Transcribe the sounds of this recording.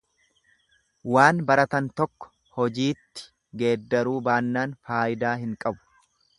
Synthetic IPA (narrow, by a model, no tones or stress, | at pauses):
waːnbɐɾɐt̪ɐnt̪ɔkːɔ̥ | hɔd͡ʒiːt̪ːɪ̥ | ɡe̞ːd̪ːɐɾuːbaːnːaːnfaːʔɪd̪aːɦɪŋkʼɐbʊ̥